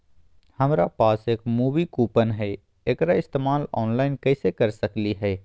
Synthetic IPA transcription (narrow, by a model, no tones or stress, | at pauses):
hɐmɾapaːseːkmuːʋikuːpənɦɛ | eːkɾaɪst̪eːmaːlɔːnlaːɪnkɛːsekɐɾsɐkliɦɛː